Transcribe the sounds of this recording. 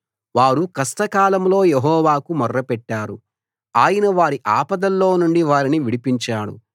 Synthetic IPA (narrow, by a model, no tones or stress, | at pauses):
ʋaːɽukɐsʈɐkaːlɐmlo̞ːjeɦɔːʋaːkumɐrːɐpɛʈːaːɾu | aːjɐnɐʋaːɾiʔaːpɐd̪ɐlːo̞ːnuɳɖiʋaːɾiniʋiɽipiɲt͡ʃaːɽṵ